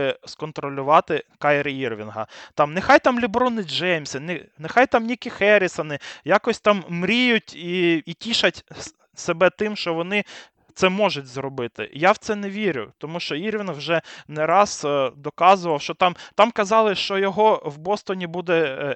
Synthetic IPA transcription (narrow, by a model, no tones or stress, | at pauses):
skɔnt̪ɾɔlʲʊʋɑt̪ɪkɑjɾɪirʋʲinɦɐ̰t̪ɑmnexɑjt̪ɑmlʲibɾɔnɪd͡ʒɛmʲsʲɪnɪnexɑjt̪ɑmnʲikɪxɛɾʲɪsɐnɪjakɔsʲt̪ɑmːɾʲijʊtʲiitʲiʃɐtʲ | sebɛt̪ɪmʃt͡ʃɔʋɔnɪ | t̪sɛmɔʒʊtʲzrɔbɪt̪ɪ̰jawt̪sɛnɛʋʲiɾʲʊ̰t̪ɔmuʃt͡ʃɔirʋʲinwʒɛnɛɾɑzd̪ɔkɑzʊʋɐwʃt͡ʃɔt̪ɑmt̪ɑmkɐzɑlˠɪʃt͡ʃɔjɔɦɔwbɔst̪ɔnʲibud̪ɛ